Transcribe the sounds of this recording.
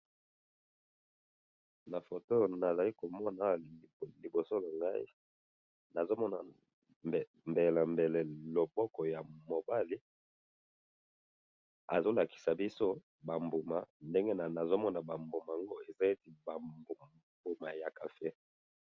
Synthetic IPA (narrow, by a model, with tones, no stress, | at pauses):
na˨fo˨to˦na˨za˨li˦ko˨mɔ˦na˨li˨bo˨so˦la˨ŋɡa˦i˦ | na˨zo˦mɔ˦na˨ | mbe˨lɛ˨mbe˨le˨lo˨bɔ˦kɔ˨ja˨mo˨ba˦li˦ | a̰˨zo˦la˨ki̥˨sa˨bi˦so˦ | ba˨mbu˨ma˨nde˦ŋɡe˦na˨na˨zo˦mɔ˦na˨ba˨mbo˨ma˨a˨ŋɡo˦e˨za˦e˦ti˨ba˨b | bu˨ma˨ja˨ka˨fe˦